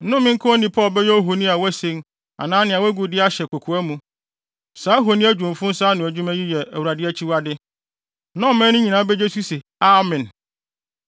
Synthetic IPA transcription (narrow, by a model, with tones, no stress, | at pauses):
nʊ̃˦mɪ̃˦ŋ̩˦kʰʊ̃˦ɔ˦nĩ˨pʰɔː˦lbɛ˦jɔ˦ɦo˨nĩ˦a˨wɛ˦sẽ˦n | a̰˨nãː˦nɪ̃˨a˨wæ˦ɡu˨dɪ˦a˦ɕɛ˨kʷʰo˨kʰu˨æ˦mũ˨ | saː˨˦ɦo˨nĩ˦æ˦d͡ʑᶣũ˨m˨fʊ̃˦n̩˦saː˦nʊ̃˨æ˨d͡ʑᶣũ˦mæ̃˦ji˦jɛ˨æ̰˨wu˨ɾa˨dɪ˦ɛ˦t͡ɕʰi˦wa˦dɪ˦ | nã˦˨mɛ̃˦nʊ̃˦ɲĩ˨nãː˨˦bɛ˦d͡ʑe˦su˦se˨ | a˨mɛ̃˨n